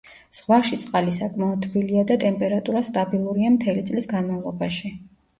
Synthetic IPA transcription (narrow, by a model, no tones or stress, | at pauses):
z̥ʁwaʃit̪sʼqʼalisakʼmaɔd̪t̪ʰbiliad̪at̪ʼɛmpʼɛɾat̪ʼuɾast̪ʼabilˠuɾiamt̪ʰɛlit̪sʼlisɡanmavlˠɔbaʃi